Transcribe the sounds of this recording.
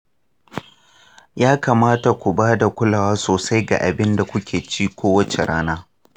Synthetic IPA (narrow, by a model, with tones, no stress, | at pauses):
jaː˦ka˨maː˦ta˨kʷu˨baː˦da˨kʷʊ˦laː˨waː˦soː˨sa˦jɡa̰˨ʔa̰˨bɪ˦nda˨kʷʊ˦kʲʰeː˨t͡ʃiː˦kʷoː˦wɐ˦t͡ʃe˨ɽaː˦naː˦